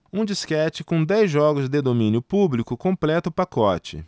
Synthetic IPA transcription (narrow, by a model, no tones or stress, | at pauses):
ũd͡ʒiskɛt͡ʃɪkõd̪ɛjzʒɔɡʊzd̪ed̪omĩnjʊpublikʊkõplɛt̪ʊpakɔt͡ʃɪ̰